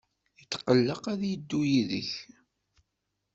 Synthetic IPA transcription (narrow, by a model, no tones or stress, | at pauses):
ət͡sːqəlːəqæðjəd̪ːujiðə̰ç